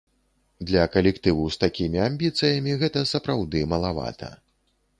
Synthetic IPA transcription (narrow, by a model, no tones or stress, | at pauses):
d̪lʲɐkɐlʲɛkt̪ɨvust̪akʲimʲiamʲbʲit̪sɨjɐmʲiɣɛt̪ɐsɐpɾawd̪ɨmɐlˠava̰t̪ʰɐ̰